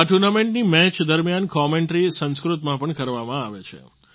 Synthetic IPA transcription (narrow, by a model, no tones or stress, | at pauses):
aʈuɾnameɳʈnimɛt͡ʃd̪əɾmjankɔmẽɳʈɾisə̃nskɾut̪mãpəɳkəɾʋamãaʋet͡ʃʰḛ